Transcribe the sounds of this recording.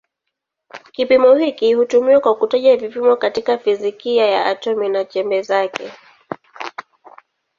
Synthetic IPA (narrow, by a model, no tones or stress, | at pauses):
kipimɔhikihutumiwakwakutaʄavipimɔkatikafizikijajaʔatɔminat͡ʃɛmbɛzakɛ